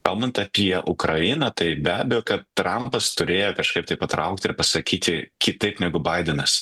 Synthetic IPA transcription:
kɐlˠbɐnt̪ɐpʲiɛʔʊkɾɐɪnɐt̪ɐɪbʲæːbʲɛjoːkɐt̪t̪ɾɐmpɐst̪ʊɾʲeːjoːkɐʃkɐɪp̚t̪ɐɪpɐt̪ɾɐʊk̚t̪ʲɪɪɾpɐsɐkʲiːt̪ʲɪkʲɪt̪ɐɪpnʲɛɡʊbɐɪd̪ʲɛnɐs

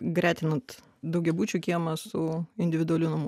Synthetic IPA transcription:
ɡɾʲæːt̪ʲɪnɐt̪ | d̪ɐʊɡʲɛbuːt͡ʃʲukʲiɛmɐsʊɪnʲd̪ʲɪʋʲɪd̪ʊɐlʲunɐmu

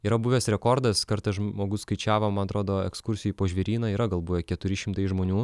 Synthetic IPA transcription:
iːɾɐbʊʋʲɛsɾʲɛkoːɾd̪ɐskɐɾt̪ɐɪsʒmoːɡʊsskɐɪt͡ʃʲæːʋoːmɐnɐt̪ɾoːd̪oːɛ̰kskʊɾʲsʲɪjuːpoːʒʲʋʲɛɾʲiːnɐiːɾɐɡɐlˠbʊʋʲɛkʲɛt̪ʊɾʲɪʃʲɪmt̪ɐɪʒmoːnʲuː

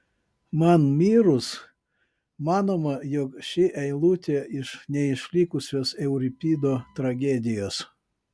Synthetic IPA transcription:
mɐnmʲiːɾʊs | mɑːnoːmɐjokʃʲɪʔɛɪlˠuːt̪ʲeɪʃnʲɛɪʃʲlʲɪkʊsʲoːsɛʊɾʲɪpʲiːd̪oːt̪ɾɐɡʲɛd̪ʲɪjoːs

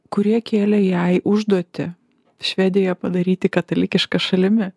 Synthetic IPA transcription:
kʊɾʲiɛkʲeːlʲɛjɛɪʔʊʒd̪uɔt̪ʲɪ | ʃʲʋʲæːd̪ʲɪjɛpɐd̪ɐɾʲiːt̪ʲɪkɐt̪ɐlʲɪkʲɪʃkɐʃɐlʲɪmʲɪ

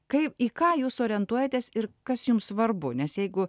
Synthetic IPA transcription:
kɐɪpiːkɑːjuːsoːɾʲɛnt̪uɔjɛt̪ʲeːsɪɾkɐsjʊmssʋɐrbʊnʲɛsjɛɪɡʊ

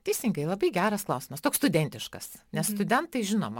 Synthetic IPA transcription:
t̪ʲɛɪsʲɪŋɡɐɪlˠɐbɐɪɡʲæːɾɐsklˠɐʊsʲɪmɐst̪oːkst̪ʊd̪ʲɛnʲt̪ʲɪʃkɐ̰snʲɛsst̪ʊd̪ʲɛnt̪ɐɪʒʲɪno̰ːmɐ

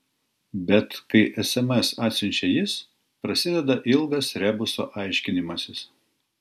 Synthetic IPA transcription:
bʲɛt̪kɐɪʔɛsɛmɛsɑːt̪ʲsʲɪnʲt͡ʃʲɛjɪs | pɾɐsʲɪd̪ʲɛd̪ɐʔɪlˠɡɐsɾʲæːbʊso̰ːʔɐɪʃʲkʲɪnʲɪmɐsʲɪs

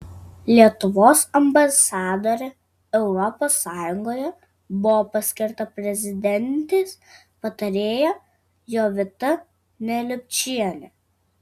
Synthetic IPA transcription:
lʲiɛt̪ʊʋoːsɐmbɐsɑːd̪oːɾʲɛ | ɛʊɾɔpoːsːɑːjʊŋɡoːjɛ | bʊʋoːpɐsʲkʲɪɾt̪ɐpʲɾʲɛzʲɪd̪ʲɛnʲt̪ʲeːs | pɐt̪ɐɾʲeːjɛ | joːʋʲɪt̪ɐ | nʲɛlʲʊpʲt͡ʃʲiɛnʲɛ

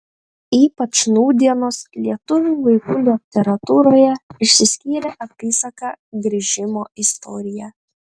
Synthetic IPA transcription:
iːpɐt͡ʃnuːd̪ʲiɛnoːslʲiɛt̪ʊʋʲuːʋɐɪkuːlʲut̪ʲɛɾɐt̪uːɾoːjɛɪʃʲsʲɪsʲkʲiːɾʲɛʔɐpʲiːsɐkɑɡɾʲɪʒʲɪmoːɪst̪ɔːɾʲɪjæ

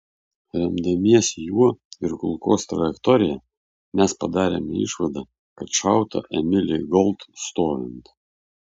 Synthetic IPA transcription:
ɾʲɛmd̪ɐmʲiɛsʲjuɔɪɾkʊlˠkoːst̪ɾɐjɛkt̪ɔɾʲɪjɛ | mʲæspɐd̪ɑːɾʲḛːmʲɛ̰ɪ̰ʃʋɐd̪ɑ | kɐt̪ʃɑˑʊt̪ɐ̰ʔɛmʲɪlʲɪɡɔlˠt̪st̪oːʋʲɪnt̪

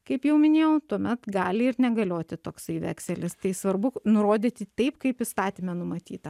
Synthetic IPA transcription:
kɐɪpjɛʊmʲɪnʲeːjɛʊt̪uɔmʲɛt̪ɡɑːlʲɪɪɾnʲɛɡɐlʲoːt̪ʲɪt̪oːksɐɪʋʲæ̰ːksʲɛlʲɪst̪ɐɪsʋɐɾbʊnʊɾoːd̪ʲɪt̪ʲɪt̪ɐɪpkɐɪpɪst̪ɑːt̪ʲimʲɛnʊmɐt̪ʲiːt̪ɐ

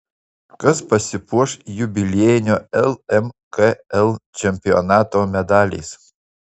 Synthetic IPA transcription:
kɐspɐsʲɪpuɔʃjʊbʲɪlʲeːjɪnʲoɛlˠɛmkeɛlˠt͡ʃʲɛmʲpʲɪɔnɑːt̪oːmʲɛd̪ɑːlʲɛ̰s

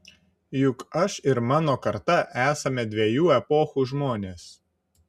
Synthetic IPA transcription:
jʊkɐʃɪɾmɑːnoːkɐɾt̪ɐʔæːsɐmʲɛd̪ʲʋʲɛjuːɛpoːxuʒmoːnʲeːs

